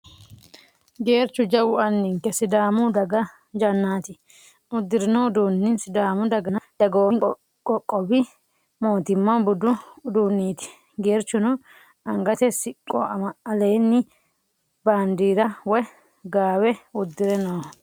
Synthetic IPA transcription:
ɡe̞ːɾt͡ʃːʊd͡ʒɐwʊɐnːɪŋkːɛsɪd̪aːmʊd̪ɐɡɐ | d͡ʒɐnːaːt̪ɪ | ʊd̪ːɪɾɪnoʊd̪uːnːɪnsɪd̪aːmʊd̪ɐɡɐnɐd̪̥ɐɡoːŋ | kʼɔkʼːɔbɪ | moːt̪ɪmːɐbʊd̪ʊd̪uːnːiːt̪ɪ̥ | ɡe̞ːɾt͡ʃːʊnʊ | ɐŋɡɐt̪ɛsɪkʼːɔ̰ɐmɐɐle̞ːnːɪ | baːnd̪iːɾɐwɔj | ɡaːwɛʊd̪ːɪɾɛnoː

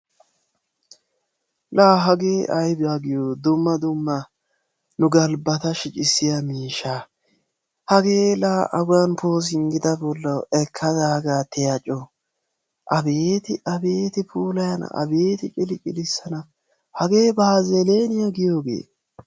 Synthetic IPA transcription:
laːɦɐɡe̞ːʔɐjbɪjaɡɪjoːd̪ʊmːɐd̪ʊmːɐ | nʊɡɐlbɐt̪ɐʃɪt͡ʃʼɪsːɪjɐmiːʃaː | hɐɡe̞ːlaːʔɐɡʊjɐnpʰo̞ːs̬ɪŋɡɪd̪ɐbɔlːɐwɛkʰːɐd̪aːɡaːt̪ɪjɐt͡ʃʼːo | ʔɐbeːt̪ɪʔɐbeːt̪ɪpʰuːlɐjɐn̰ɐ̰be̞ːt̪ɪt͡ʃʼɪlɪt͡ʃʼɪlɪsːɐnɐ | hɐɡe̞ːbaːzɛleːnɪjɐɡɪjo̞ːɡḛː

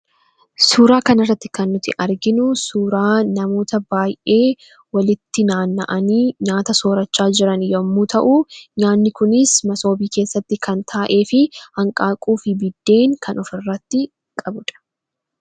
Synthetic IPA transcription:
suːɾaːkɐnɐrːɐt̪ːɪ̥kɐnːʊt̪ɪʔɐɾɡɪnʊsuːɾaːnɐmo̞ːt̪ɐbaːjʔe̞ː | wɐlɪt̪ːɪnaːnːɐʔɐniːɲaːt̪ɐso̞ːɾɐt͡ʃːaːd͡ʒɪɾɐnjomːuːt̪ɐʔuːɲaːnːɪkʊnɪsmɐso̞ːbiːke̞ːsːɐt̪ːɪkʰɐnt̪ʰaːʔe̞ːfɪhɐŋkʼaːkʼuːfɪbɪd̪ːe̞ːŋkʰɐnʔɔfɪrːɐt̪ːɪ | kʼɐbʊᶑ̪ɐ̥

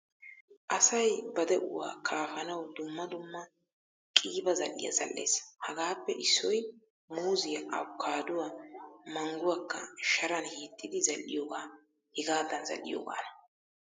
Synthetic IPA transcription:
ʔɐsɐjbɐd̪ɛʔʊwa̰ːkʰaːfɐnɐwd̪ʊmːɐd̪ʊmːɐ | kʼiːbɐzɐ̰lːɪ̰jɐ̰zɐ̰lːe̞̰ːshɐɡaːpːɛʔɪsːɔj | muːzɪjɐʔɐ̰wʊkʰːaːd̪ʊwamɐŋɡʊwɐkːɐ̰ʃɐɾɐnhiːt̪ʼːɪd̪ɪzɐlːɪ̰joːɡaː | hɪɡaːd̪ɐnzɐ̰lːɪ̰jo̰ːɡa̰ːnɐ

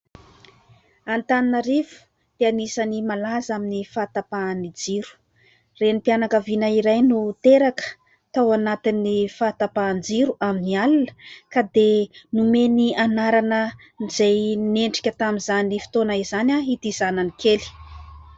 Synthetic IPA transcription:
ant̪aninəɾivu̥ | pianisanimalazaminifat̪apanid͡ziɾu̥ | renipianakavinaiɾajnut̪eɾakə̥ | t̪awanat̪inːifat̪apand͡ziɾuaminialunə̥kad̪enumenianaɾanə | nizejneɳɖ͡ʐi̥kʲət̪amizanifi̥t̪onaizanʲaɦit̪izananikeli̥

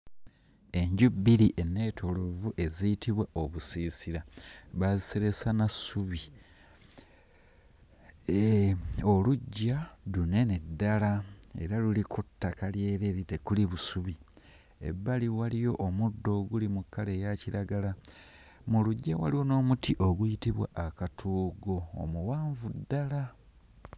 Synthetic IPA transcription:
e̞ɲɟubiɾiʔe̞ne̞ːtʰolovuʔe̞ziitʰiβwaʔoβusiːsiɾaβaziseɾe̞sanasuβi | oluɟːalune̞nedːalae̞̰ɾalulikʰutːakalje̞ːɾeːɾitekuliβusuβi | ḛbːaliwalijo̞ʔːmudːo̞ɡulimukːale̞ːjaciɾaɡala | muluɟːawa̰liwo̞no̞ːmutiʔo̞ɡujitiβwa̰ʔːkatʰuːɡo̞̰ːmuwaːɱvudːala

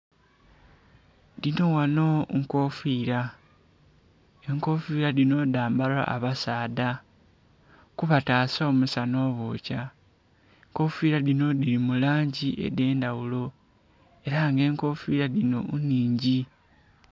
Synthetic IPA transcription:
dino̞wano̞ŋko̞fiːɾa | eŋko̞fiɾadino̞daːmbala̰ːβasaːda | kuβataːsaomusano̞βoca | ŋko̞fiɾaðino̞dilimulaːɲɟiʔe̞̰de̞ːndawulo̞ | e̞ɾaŋɡe̞ːŋko̞fiɾalino̞̰uniːɲɟi

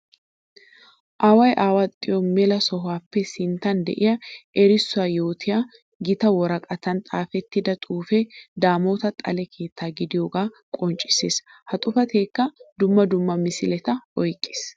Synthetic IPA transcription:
ʔaːwɐjʔaːwaːt̪ʼɪjɔmːɛlɐsɔɦaːpːɛsɪnt̪ɐnd̪ɛ̰ʔɪjɐʔɛɾɪsːʊaːjo̞ːt̪ʰɪjɐ | ɡɪt̪ɐwɔɾɐkʼɐt̪ɐnt̪ʼaːfɛt̪ːɪd̪ɐt̪ʼuːfɛd̪aːmo̞ːt̪ɐt̪ʼɐ̰lɛkʰe̞ːt̪ʰːaːɡɪd̪ɪjoːɡaː | kʼɔnt͡ʃʼɪ̥seːs | hɐt̪ʼʊfɐt̪ʰe̞ːkːɐd̪ʊmːɐd̪ʊmːɐmɪsɪlɛt̪ɐʔɔjkʼːɪ̥s

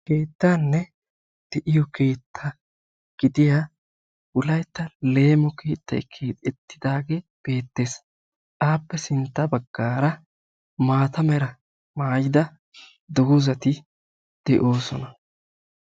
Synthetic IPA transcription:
ke̞ːt̪ːaːnːɛ | d̪̥ɛʔɪjɔkʰe̞ːt̪ʰːɐ | ɡ̥ɪd̪ɪjaː | wʊlɐjt̪ːɐle̞ːmɔkʰeːt̪ːɐ̰jkʰeːɛt̪ːɪd̪aːɡeb̥e̞ːt̪ːe̞ːs | ʔaːpːɛsɪnt̪ːɐbɐɡːaːɾɐ | maːt̪ɐmɛɾɐ | maːjɪd̪ɐ | d̪ɔɡʊzɐt̪ɪ | d̪̥ɛʔo̞ːsɔnɐ

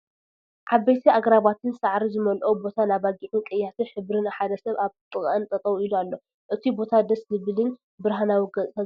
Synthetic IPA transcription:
ʕaβːejt̪ʰiaɡɾaβat̪ʰɨnsaʕɾizɨmɐlʔobo̞t̪ʰanaβaɡiʕukʼɐjːat̪ʰɨħɨβɾɨnaħad̪ɐsɐβaβt̪ʼɨχʼʔɨnt̪ʼɐt̪ʼɐwuilualːo̞ | ʔɨt̪ʰibo̞t̪ʰad̪ɐszɨbɨlin | bɨɾɦanawiɡɐt͡sʼʰa

